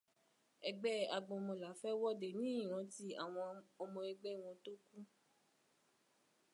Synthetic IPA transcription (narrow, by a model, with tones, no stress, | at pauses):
ɛ˧ɡ͡bɛ˦a˧ɡ͡bɔ̃˧mɔ̃˧la˨˦fɛ˦wɔ˦de˨nĩ˦ĩ˦˨ɾ̃ã˨˦ti˦a̰˨w̃ɔ̃˧mɔ̃˧e˧ɡ͡bɛ˦˨w̃ɔ̃˧to˦kũ˦